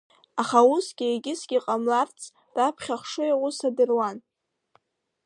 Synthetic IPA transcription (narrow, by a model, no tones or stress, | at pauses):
aχausɡ̥ʲɪeɡʲɪsɡʲiqʼamlart͡sʰ | d̥apʰχʲaχʂɨiʁʷʊsadɨrwan